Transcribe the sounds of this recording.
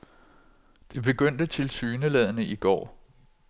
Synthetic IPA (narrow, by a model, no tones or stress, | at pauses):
d̥e̝b̥e̝ɡ̥øn̰d̥ət͡sʰe̝lsyːnəlɛð̞ˠnəiɡ̥ɒ̰ː